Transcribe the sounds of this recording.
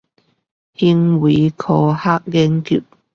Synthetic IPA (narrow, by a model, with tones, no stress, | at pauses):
hi˥ŋwi˨˦kʰɔː˧haː˥k̚lɛ˧˥ŋkʰy̰˨˩p̚